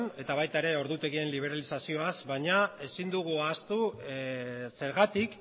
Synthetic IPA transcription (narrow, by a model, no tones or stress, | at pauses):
ne̞t̪aβajt̪aeɾe̞o̞ɾðut̪e̞ɣie̞nliβ̞e̞ɾalisasio̞azβaɲae̞sind̪uɣ̞uast̪u | se̞ɾɣat̪ik